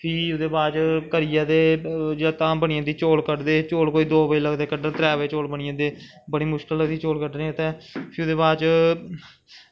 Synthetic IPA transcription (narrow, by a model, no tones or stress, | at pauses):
pʰiːʊd̪eːbaːt͡ʃkəɾɪjãːd̪eːd͡ʒeɽaːt̪ãːmbəɳɪjãːd̪iːt͡ʃoːlkəʈd̪eːt͡ʃoːlkoːiːd̪oːpəiːləɡd̪eːkəʈət̪ɾɛːʋeːt͡ʃoːlbəɳɪjãːd̪eː | bəɽ̃iːmʊʃkəlːəɡd̪iːt͡ʃoːlkəɖnẽːʊt̪ɛ̃ːpʰɪːʊd̪eːbaːt͡ʃ